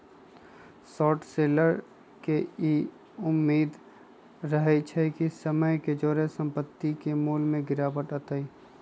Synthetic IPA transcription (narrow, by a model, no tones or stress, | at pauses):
sɔːʈseːləɾ | kei | ʊmːeːd̪ | ɾəɦɛt͡ʃʰɛkisəməjked͡ʒoːɾesə̃mpət̪ːikemuːlmẽɡɪɾaːbəʈət̪əi